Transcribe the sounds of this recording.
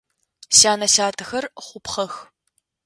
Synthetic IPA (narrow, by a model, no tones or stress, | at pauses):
ʃaːnɐʃaːtʰɨxɐrχʷʊpχɐx